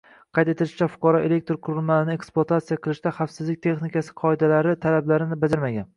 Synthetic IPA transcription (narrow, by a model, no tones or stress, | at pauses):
qʰɑjt̪e̞t̪ɪlɪʃɪ̥t͡ʃʰafʊ̥qʰɑɾɒʔe̞le̞k̚ʲt̪ɾqʰʊɾɪlmalɪnɪe̞ksplˠat̪ʰat̪sijaqʰɨlˠɪʃt̪aχafsɪzlɪk̚ʲt̪ʰe̞χnɪkʲasɪ̥qʰɒed̪alaɾɪt̪ʰalablaɾɪnɪbad͡ʒ̪ɪɾmaɡʲan